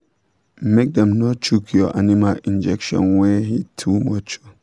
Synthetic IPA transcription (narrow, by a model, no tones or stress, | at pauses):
mek̚dɛ̃mnɔt͡ʃʰukʰjɔʔanĩmalĩnd͡ʒɛkʃɔ̰̃nwɛɦitʰumɔt͡ʃɔ̥